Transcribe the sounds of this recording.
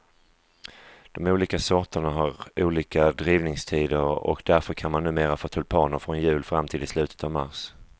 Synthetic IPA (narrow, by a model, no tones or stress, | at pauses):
d̪̥ɔmuːliːkasɔʈəɳaɦaɾuːliːkad̪ɾiːvnɪŋst̪ʰiːd̪əɾɔ̰kd̪æɾfœɾkʰanmanːʉ̟ːmeːɾafoːt̪ʰɵlpʰɑːnəɾfɾɔnjʉ̟ːlfɾamːt̪ʰɪld̪ɪslʉ̟ːt̪ə̥t̪ɑvma̰ɾʂ